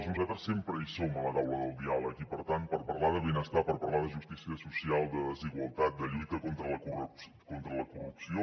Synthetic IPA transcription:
znuzat̪ɾəssːempɾəisomələt̪awləðəlˠd̪ialˠəkipəɾt̪ant̪̚pəɾpəɾlaðəβenəst̪apəɾpəɾlaðəʒust̪isiəsusialˠd̪əðəziɣwəlˠt̪at̪̚d̪əʎujt̪əkont̪ɾələkuru | kont̪ɾələkurupsio

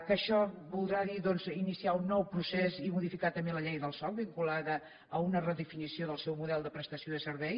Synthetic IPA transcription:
kəʃɔβulˠd̪ɾaðiðɔnzinisiaunːɔwpɾusezimuðifikat̪əmbeləʎɛjðəlˠsɔlβiŋkulaðəː | unərəðəfinisioðəlˠsɛwmuðɛlˠd̪əpɾəst̪əsioðəsəɾβɛj

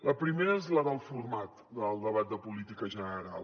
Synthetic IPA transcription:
ləpɾimeɾəezləðəlˠfuɾmat̪d̪əlˠd̪əβat̪̚d̪əpulit̪ikəʒənəɾa̰lˠ

